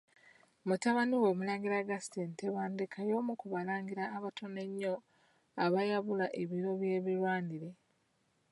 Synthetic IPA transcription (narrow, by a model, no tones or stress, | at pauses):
mutaβaniwo̞ːmulaːŋɡiɾaɡastenteβaːndekʰajo̞ːmukuβalaːŋɡiɾaːβatʰo̞ne̞ɲːo̞ | aβajaβulaʔeβiɾo̞βje̞ːβiɾwaːniɾe̞